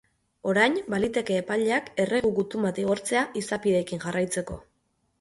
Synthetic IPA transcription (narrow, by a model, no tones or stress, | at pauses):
o̞ɾajnbalit̪e̞ke̞ːpaʎeake̞re̞ɣuɣut̪umbat̪iɣ̞o̞ɾt͡se̞aisapiɾe̞kiŋʝarajt͡se̞ko̞̰